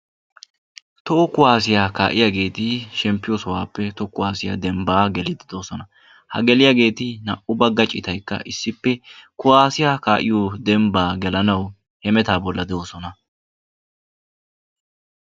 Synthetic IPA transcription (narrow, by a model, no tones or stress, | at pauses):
t̪ɔɔkʊwaːsɪjaːka̰ːʔɪjaɡe̞ːt̪ɪʃɛmpːɪjosɔwaːpːɛt̪ɔkːʊwaːsɪja̰ːd̪ɛmbaːɡɛlɪd̪ɪd̪o̞ːsɔnɐ | hɐ̰ɡɛlɪjaɡe̞ːt̪ɪnɐʔʊbɐɡɐt͡ʃʼːɪt̪ɐjkːɐ̰ʔɪsːɪpːɛkʊwaːsɪjaːkaːʔɪjod̪ɛmbaːɡɛlɐnɐw | hɛmɛt̪aːbɔlːɐd̪ɛoːsɔnɐ